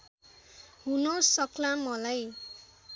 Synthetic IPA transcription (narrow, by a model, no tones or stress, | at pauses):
ɦunʌsʌklamʌlaj